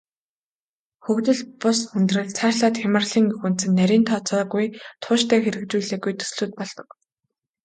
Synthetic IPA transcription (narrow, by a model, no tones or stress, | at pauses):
xɵkt̪ɘ̆ɮpʊsxɵnt̪rɘ̆ɮt͡sʰaːrʲɮaːt̪xamə̆rɮiːŋɵxŭn̥t͡sɘ̆nːæɾʲiːnt̪ʰɔːt͡sɔːɣujt̪ʰʊːʃt̪ʰæːxeɾɘ̆k̚t͡ɕuːɮeːɡujt̪ʰɵ̥sɮuːt̪̚pɔɮt̪ɞ̆k